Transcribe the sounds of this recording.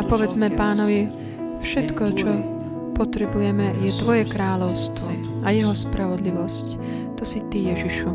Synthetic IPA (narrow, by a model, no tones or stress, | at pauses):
apɔvɛd͡zmɛpaːnɔʋi | fʃɛt̪kɔt͡ʃɔ | pɔt̪ɾɛbujɛmɛjɛt̪ʋɔjɛkɾaːlɔwst̪ʋɔ | ʔajɛɦɔspɾavɔd̪liʋɔsc | t̪ɔsit̪ijɛʒiʃu